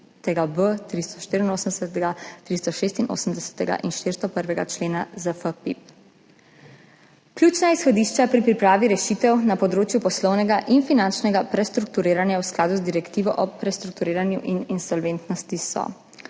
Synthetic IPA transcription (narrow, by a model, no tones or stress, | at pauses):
t̪ɛɡabət̪ɾist̪ɔ̥ʃt̪iɾinoːsəmd̪ɛsɛt̪ɛɡat̪ɾist̪ɔʃeːst̪inʔo̰ːsəmd̪ɛsɛ̥t̪ɛɡa̰ʔinʃt̪ɪːɾst̪ɔpəɾʋɛɡa̰t͡ʃleːnazəfəpip̚ | klʲjuːt͡ʃnaisxɔd̪iːʃt͡ʃapɾipɾipɾaːʋiɾɛʃit̪ɛwnapɔd̪ɾoːt͡ʃjupɔslɔwnɛɡaʔinfinant͡ʃnɛɡapɾɛst̪ɾuk̚t̪uɾeːɾanjawsklaːd̪uzd̪iɾɛkt̪iːʋɔʔɔpɾɛst̪ɾuk̚t̪uɾeːɾanjuʔininsɔlʋent̪nɔst̪isɔ̰